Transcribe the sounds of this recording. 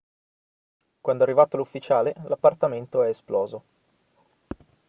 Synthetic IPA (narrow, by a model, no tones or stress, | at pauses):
kwand̪oarːivaːt̪olufːit͡ʃaːlelapːart̪ament̪oɛesplɔːzo